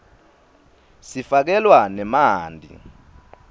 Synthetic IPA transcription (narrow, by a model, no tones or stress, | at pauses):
sifak̬ɛlwanɛmaːndʱḭ